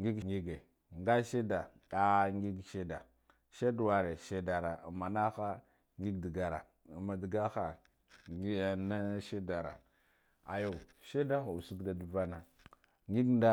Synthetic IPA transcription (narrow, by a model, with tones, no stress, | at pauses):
ŋɡi˦ɡŋɡi˦ɡe˨ | ŋɡa˦ʃe˦da˨ | a˦ŋɡi˦ɡʃe˦da̰˨ | ʃe˦dwa˨ɾe˨ʃe˦da˨ɾa˨ma˨na˦xa˦ | ŋɡi˦ɡdi˨ɡa˨ɾa̰˨ | ma˨di˨ɡa˦xa˨˦˨ | na˦ʃe˦da˨ɾa̰˨ | a˨jo˦˨ʃe˦da˦xa˨u˨su˦ɡda˨du˨va˦na˨ | ŋɡi˦ɡnda˦